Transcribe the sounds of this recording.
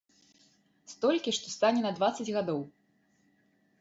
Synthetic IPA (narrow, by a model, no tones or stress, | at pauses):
st̪ɔlʲkʲiʂt̪ɔst̪anʲɛnɐd̪vat̪sːɐd͡zʲɣad̪ɔw